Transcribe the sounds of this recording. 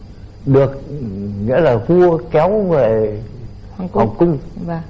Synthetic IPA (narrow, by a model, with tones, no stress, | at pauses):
ɗɨ˨˩ək̚ŋḭ˧˥laː˨˩vu˧əkɛ˨˦wve˨˩ | hha˨˩wkʊ˧ŋ͡m